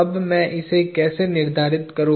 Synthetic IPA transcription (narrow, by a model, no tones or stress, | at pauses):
ɐbmɛ̃ːʔɪsekɛːsenɪɾd̪ʱaːɾɪt̪kɐɾũ